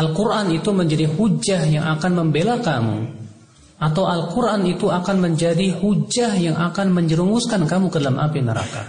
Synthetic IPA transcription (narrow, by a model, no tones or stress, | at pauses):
ʔalkuɾʔanit̪uməɲd͡ʒadihud͡ʒahjaŋʔakanməmbelakamṵ | ʔat̪awʔalkuɾʔanit̪uakanməɲd͡ʒadihud͡ʒahjaŋʔakanməɲd͡ʒəɾuŋɡuskankamukədalamʔa̰pinəɾa̰ka̰